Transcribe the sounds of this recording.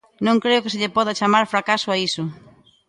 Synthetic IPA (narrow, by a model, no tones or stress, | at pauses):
nõŋkɾeʊkɪsɪʎepɔð̞at͡ʃamaɾfɾakasʊaisʊ